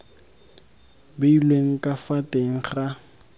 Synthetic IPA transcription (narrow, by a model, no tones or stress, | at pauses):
beilweŋ̩kʼafatʼeŋ̩χa